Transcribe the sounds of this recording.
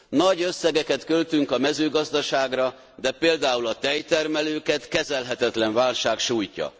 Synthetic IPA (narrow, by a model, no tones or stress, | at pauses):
nɒɟø̞sːɛɡɛkɛt̪kølt̪yŋkɒmɛzøːɡɒzd̪ɒʃaːɡrɒ | d̪ɛpeːld̪aːulɒt̪ɛjt̪ɛrmɛløːkɛt̪kɛzɛlɦɛt̪ɛt̪lɛɱvaːlʃaːkʃuːjcɒ̰